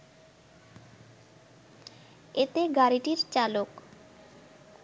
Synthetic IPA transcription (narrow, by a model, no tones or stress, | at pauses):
et̪eɡaɾiʈiɾt͡ɕalok